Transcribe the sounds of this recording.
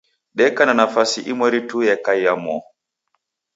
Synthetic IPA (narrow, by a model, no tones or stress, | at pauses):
ɗɛkananafasiʔimoɾitujɛkajːamɔ